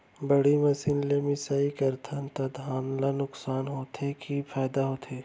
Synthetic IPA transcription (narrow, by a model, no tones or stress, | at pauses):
bɐɽimɐsɪnlemɪsaːikɐɾt̪ʰant̪ɐd̪ʱaːnlanʊksaːnɦoːt̪ʰekipʰaːd̪aɦoːt̪ʰeː